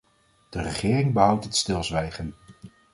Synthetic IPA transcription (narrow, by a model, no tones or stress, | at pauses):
d̥ərəχɪːrɪŋbəɦʌwtɦətstɪlˠzʋɛjχən